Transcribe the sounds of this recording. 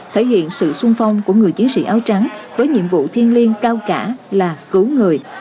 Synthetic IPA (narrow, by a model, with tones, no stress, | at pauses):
t̪ʰe˧˩jhḭ˧˨ənsɨ̰˧˨sʊ˧ŋfa˧wŋ͡mku˧˩əŋɨ˨˩əjt͡ɕi˨˦ənsḭ˧˥ʔaː˨˦wt͡ɕa˨˦ŋvəː˨˦jɲḭ˧˨əmvṵ˧˨t̪ʰi˧ənli˧ənkaː˧wkaː˧˩laː˨˩kɨ˨˦wŋɨ˨˩əj